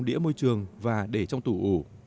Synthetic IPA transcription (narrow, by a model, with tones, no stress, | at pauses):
ɗḭ˧˥əmo˧jt͡ɕɨ˨˩əŋvaː˨˩ɗe˧˩t͡ɕɔ˧wŋ͡mt̪u˧˩ʔu˧˩